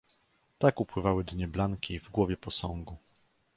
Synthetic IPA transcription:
t̪akupwɘvawɘd̪ɲɛblaŋkʲivɡwɔvʲjɛpɔsɔŋɡu

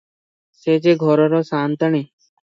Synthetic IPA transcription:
set͡ʃeɡʱɔɾɔɾosaːnt̪əɳ̃i

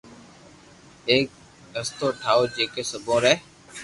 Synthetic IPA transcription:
eːk̚ | ɖəst̪oːʈʰaːoːd͡ʒeːkeːsəbʱõːɾɛː

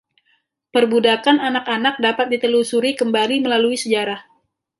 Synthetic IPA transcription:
pərbudakananakanak̚dapat̪̚dit̪əlusuɾikəmbaliməlaluisəd͡ʒaɾah

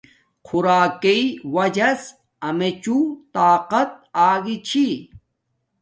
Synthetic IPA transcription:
qʰuɾaːkeiwɐd͡ʑɐs | ɐmet͡ɕut̪aːqɐt̪̚aːɡit͡ɕʰi

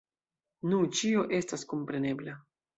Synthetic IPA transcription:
nut͡ʃio̞ʔe̞stasko̞mpɾe̞ne̞bla

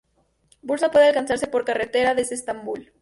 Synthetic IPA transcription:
bulsapwe̞ðealkansaɾse̞po̞ɾkaret̪e̞ɾaðeseːst̪ambul

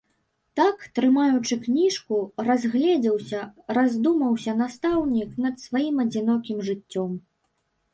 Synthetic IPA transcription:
t̪akt̪ɾɨmajut͡ʂɨknʲiʂkurazʲɣlʲɛd͡zʲɛwsʲɐrazʲd̪umɐwsʲɐnast̪awnʲiknɐt̪svajimɐd͡zʲinɔkʲimʐɨt͡sʲːɔm

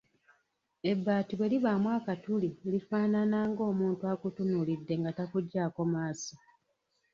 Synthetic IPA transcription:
e̞bːaːtiβwe̞liβamwaːkatulilifaːnanaːŋɡo̞ːmuːntuakutunulidːe̞ŋɡatakuɟːaːko̞maːsi

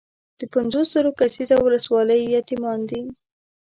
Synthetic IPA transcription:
d̪̥əpanzosz̥əɾokasizawʊləswɑləjːɑt̪imɑnd̪i

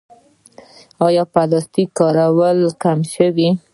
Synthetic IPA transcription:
ɑjɑpad̪ɑst̪ikɑɾawəlkamʃəwi

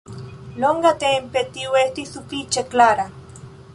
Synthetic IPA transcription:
loŋɡat̪eːmpet̪iweht̪isupit͡ʃeklaɾa

